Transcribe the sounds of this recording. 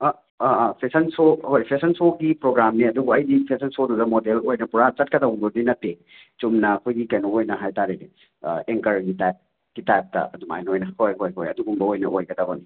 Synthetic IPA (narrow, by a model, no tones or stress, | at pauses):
pʰesɐnsohojpʰesɐnsoɡipɾoɡɾamniɐduɡoɐjdipʰesɐnsodudɐmodelojnɐpuɾat͡ʃɐt̚kɐdauŋboɾdinɐtːe | t͡ʃumnɐːkʰojɡikɐjnoojnɐɦajtaɾedi | eŋkɐɾɡitajp̚ | ɡ̥itajp̚tɐ̰ɐduma̰jnojnɐhojɦojɦojɐduɡumbɐojnɐ̰ʔojɡɐdɐbɐni